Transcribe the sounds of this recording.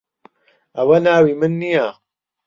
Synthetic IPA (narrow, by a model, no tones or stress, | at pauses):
ʔɐwɐnaːwiːmɨnːija